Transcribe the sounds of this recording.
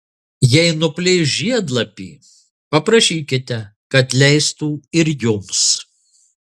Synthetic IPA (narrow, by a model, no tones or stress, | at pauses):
jɛɪnʊpʲlʲɪʒʲiɛd̪lˠɐpʲḭː | pɐpɾɐʃʲiːkʲɪt̪ʲɛkɐt̪lʲɛɪst̪uːɪɾjʊms